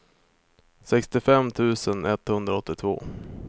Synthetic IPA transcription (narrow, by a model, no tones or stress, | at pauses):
sɛkst̪ɪfɛmːt̪ʰʉ̟ːsənɛt̪hɵnd̪ɾaɔt̪ːɪt̪ʰvo̰ː